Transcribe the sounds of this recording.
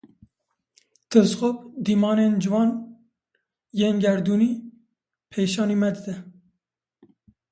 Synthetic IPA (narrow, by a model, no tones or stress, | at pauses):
t̪ʰɨɾzxop̚d̪iːmɑːneːnd͡ʒɨvɑːn | jeːnɡɛɾd̪uːniː | pʰejʃɑːniːmɛd̪ɨd̪ɛ